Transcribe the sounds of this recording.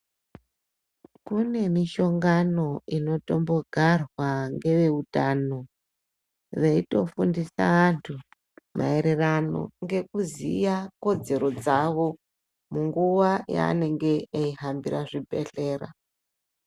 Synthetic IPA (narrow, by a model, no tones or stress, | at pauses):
kune̞miʃo̞ŋɡano̞ino̞to̞mbo̞ɡʱarwaŋɡe̞ʋe̞utano̞ | reito̞fundisa̰ʋantʰu | mʔa̰e̞ɾe̞rano̞̰ŋɡe̞kuzḭjako̞d͡ze̞ɾo̞d͡zaʋo̞ | muŋɡuʋaja̰ːne̞ŋɡe̞ːiɦambiraʐibʱe̞̰ɬe̞ːɾa̰